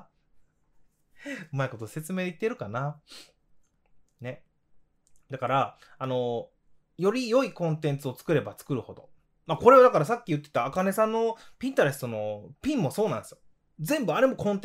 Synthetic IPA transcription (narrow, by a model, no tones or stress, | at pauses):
ɯ̟maiko̞t̪o̞se̞t͡sɨme̞ːd̪eit̪ːe̞ɾɯ̟kana | ne̞ | d̪akaɾaano̞ | jo̞ɾʲijo̞ikõ̞nt̪ẽ̞nt͡sɨo̞t͡sɨ̥kɯ̟ɾe̞bat͡sɨ̥kɯ̟ɾɯ̟ho̞d̪o̞̰ | mako̞ɾe̞ad̪akaɾasakʲːijɯ̟t̪ːe̞t̪aːkane̞sãnːo̞pʲĩnt̪aɾe̞sɨ̥t̪o̞no̞pʲĩmːo̞so̞ːnãnd̪esɨjo | d͡zẽ̞mbɯ̟aɾe̞mo̞kõ̞nt̪e